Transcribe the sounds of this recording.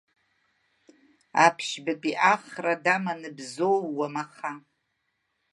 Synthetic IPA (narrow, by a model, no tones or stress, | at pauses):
apʰʃbapʼiʔaχradamanɨbzowːamaχa